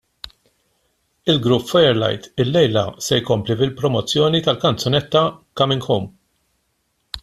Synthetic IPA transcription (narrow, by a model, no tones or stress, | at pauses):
ɪlɡɾʊpːfɔjɛɾlɐ̰jt̪ɪlːɛjlɐ̰sɛjkɔmplivɪlpɾɔmɔt͡sːjɔːnit̪ɐlkɐnt͡sɔnɛt̪ːɐkɐmɪŋɡxum